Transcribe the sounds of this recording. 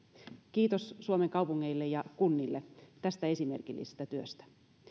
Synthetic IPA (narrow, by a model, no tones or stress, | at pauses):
kiːt̪o̞ssuomeŋkɑwpuŋːeilːejɑkunːilːet̪æst̪æesime̞̰rkilːʔḭsest̪æt̪yøst̪æ̥